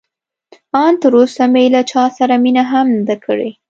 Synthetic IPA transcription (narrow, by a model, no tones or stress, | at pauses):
ɑnt̪əɾosamejlat͡ʃɑsaɾaminaɦamnzd̪akʰəɽḛ